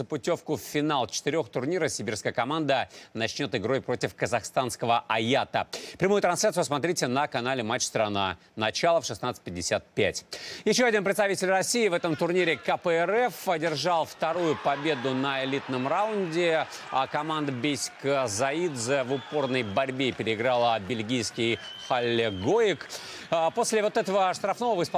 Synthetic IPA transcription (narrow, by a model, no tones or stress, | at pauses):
zəpʊtʲo̞fkʊfʲːɪnalˠt͡ɕɪ̥t̪ɪɾʲo̞xt̪ʊrnʲiɾəfsʲɪbʲirskəjəkɐmand̪ənɐt͡ɕnʲo̞t̪ɨɡɾo̞jpɾo̞tʲɪfkəzɐxst̪anskəvəʔɐjat̪ə̰pɾʲɪmujʊt̪ɾɐnslʲat̪sʊɨʊs̬mɐt̪ɾʲitʲɪnəkɐnalʲɪmat͡ɕːst̪ɾɐna̰ | nɐt͡ɕalˠəfʂɨsnat̪sɨ̥t̚ʲpʲɪdʲːɪsʲat̪̚pʲæ̰tʲjɪɕːoɐdʲinpɾʲɪt̪st̪ɐvʲitʲɪlʲrɐsʲiːvɛt̪əmt̪ʊrnʲiɾʲɪkəpəɛɾɛfɐdʲɪrʐɑlˠft̪ɐɾujʊpɐbʲe̞d̪ʊnəɪlʲit̪nəmraʊnʲdʲɪ | kɐmand̪əbʲesʲkəzɐid̪zəvʊpo̞rnəjbɐɾʲbʲepʲɪɾʲɪɪɡɾalˠəbʲɪlʲɡʲijskʲɪj | xɐlʲːɪɡoɪkː | po̞sʲlʲɪvo̞t̪ɛt̪əvəʂt̪ɾɐfno̞vəvəɪsp